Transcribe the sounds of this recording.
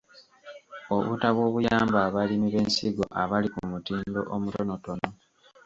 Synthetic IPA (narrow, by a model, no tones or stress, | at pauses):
oβṵtaβwo̞ːβujaːmbaːβalimiβe̞ːnsiɡo̞̰ʔaβalikumutiːndo̞̰ʔomuto̞no̞to̞no